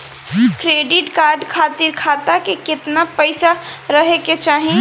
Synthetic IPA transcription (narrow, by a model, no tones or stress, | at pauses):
kɾeɖiʈkaɾɖkʰat̪iɾkʰat̪akeket̪napəɪsaɾəɦeket͡ʃaɦi